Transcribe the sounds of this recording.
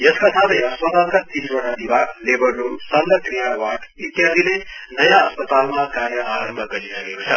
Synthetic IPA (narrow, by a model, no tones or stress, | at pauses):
jʌskat̪ʰat̪ʌʌspət̪ankat̪inbʌɽad̪ibʱalebʌrːusand̪əkɾijawaʈit̪jad̪ʱile | nʌjaːspət̪almakaɾjʌaɾəmbʱʌɡʌɾisəɡekot͡sʰʌ